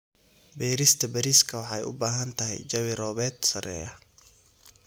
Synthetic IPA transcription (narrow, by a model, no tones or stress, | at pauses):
bɛːɾɪst̪ʰɐbɐɾiːskʰɐwɑħɑjʊ̰baːɦɐnt̪ʰɐɦɛ̰jt͡ʃɐβɪɾɔːβɛːd̪sɐrɛ̰ːjɐ